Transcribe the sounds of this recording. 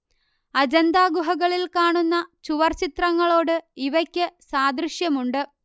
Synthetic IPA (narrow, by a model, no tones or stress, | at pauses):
ɐd͡ʑɐnd̪aːɡuɦɐɣɐɭilkaːɳunːɐt͡ɕuʋɐrt͡ɕit̪rɐŋːɐɭo̞ːɽɨiʋɐkʲːɨsaːd̪ɾiʂjɐmuɳɖɨ